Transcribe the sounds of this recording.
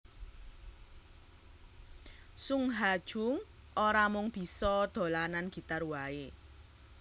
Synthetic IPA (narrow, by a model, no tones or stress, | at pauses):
suŋɦad̥ʒ̥ʊ̤ŋ | ʔoɾamʊŋb̥i̤sɔd̪̥o̤lananɡ̥i̤t̪arwae